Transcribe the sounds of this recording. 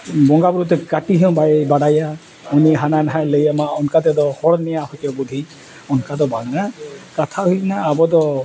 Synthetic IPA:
bɔŋɡabuɾut̪ɛkaʈiɦɛ̃bajbaɽaja | uniɦananaɦaləjamaɔnkat̪ɛd̪ɔhɔɹnɛjahɔjtɔbud̪ʱi | ɔnkad̪ɔbaɡnakat̪ʰaɦujnaːbɔd̪ɔ

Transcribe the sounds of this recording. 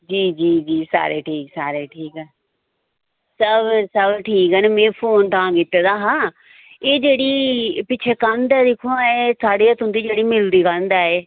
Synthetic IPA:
d͡ʒiːd͡ʒiːd͡ʒiːsa̰ːɾḛːʈʰiːksaːɾeːʈʰiːkɦɛː | səbsəbʈʰiːkɦɛːneːmẽːpʰoːnt̪ãːkɪt̪eːd̪aːɦãː | eːd͡ʒeːɽiːpɪːt͡ʃʰeːkand̪aːd̪ɪkʰõaeːsaːɖeːaːt̪ʊ̃nd̪iːd͡ʒeːɽiːmɪld̪iːkãnd̪aːeː

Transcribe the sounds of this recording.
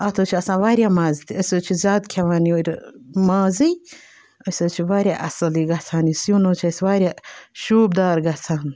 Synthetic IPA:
ɐt̪ʰot͡ʃʰiɐsãːʋaːɾʲjaːmaːzit̪ʰiɐsot͡ʃʰizʲaːd̪kʰeʋaːnioɾʲmaːzij | ɐsoːt͡ʃʰiʋaːɾʲjaʔɐsɐliɡɐt͡sʰaːnisjunoːt͡ʃʰasʋaːɾʲjaʃuːb̚d̪aːɾɡɐt͡sʰaːn

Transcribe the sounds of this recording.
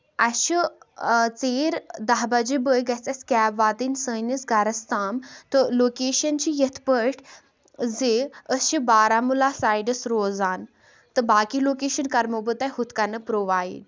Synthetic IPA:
ɐʃi | t͡seːɾd̪aɦbɐd͡ʒibəjɡɐt͡sɐskʲaːbʋaːt̪insəːjnɐsɡɐɾɐst̪aːmt̪oloːkeːʃɐnt͡ɕijet̪ʰpəʈʰ | zeəsʃibaːɾamulaːsaːjɖɐsɾoːzaːn | t̪ɨbaːkiloːkeːʃɐnkɐɾmobət̪ɐjɦut̪kɐnɨpɾoʋaːḭɖ

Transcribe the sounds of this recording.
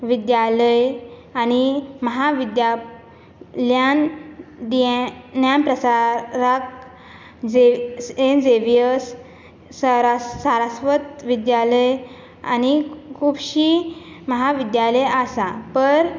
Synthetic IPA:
ʋid̪jaləjañiməɦaʋid̪ja | ljand̪ienjanpɾəsaɾak | d͡zeend͡zeʋijəs | sɾasaɾasʋət̪ʋid̪jaləj | a̰ñikʰupɕi | məɦaʋid̪jaləjasapəɾ

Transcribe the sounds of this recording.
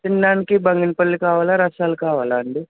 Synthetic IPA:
t͡ʃinːaːnikibɐŋɡinpɐɭːikaːʋaːlaɾɐsaːlukaːʋaːlaɐɳɖi

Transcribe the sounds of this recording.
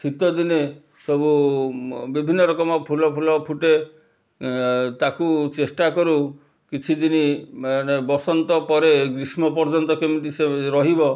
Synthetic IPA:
t͡ʃʰit̪ɔd̪ine | sɔbu | bibʱinːɔɾɔkɔmɔpʰulɔpʰulɔpʰuʈe | t̪akut͡ʃesʈakɔɾu | kit͡ʃʰid̪inimanebɔsɔnt̪ɔpɔɾeɡɾismɔpɔɾd͡ʒɔnt̪ɔkemiʈiseɾɔɦibɔ

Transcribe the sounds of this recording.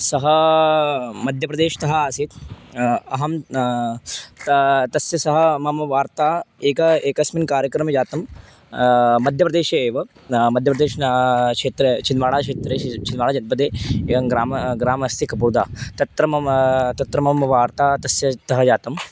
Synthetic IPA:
sɐɦɐ | mɐd̪ʱjɐpɾɐd̪eːʃɐ̥t̪ɐɦɐaːsit̪ | ɐɦɐm | ɐt̪ɐsjɐsɐɦɐmɐmɐʋaːɾt̪aːeːkɐeːkɐsminkaːɾjɐkɾɐmɐjaːt̪ɐm | mɐd̪ʱjɐpɐd̪eːʃɐeːʋɐ | mɐd̪ʱjɐpɾɐd̪eːʃnkʂeːt̪ɾet͡ʃinʋaːɭaːkʂeːt̪ɾeːt͡ʃinʋaːɭaːd͡ʒɐt̪̚bɐd̪eːɡɾaːmɐɡɾaːmɐst̪ikɐpuɾd̪a̰ːt̪ɐt̪ɾɐmɐt̪ɐt̪ɾɐmɐmɐʋaːɾt̪aːt̪ɐsjɐt̪ɐɦɐjaːt̪ɐm

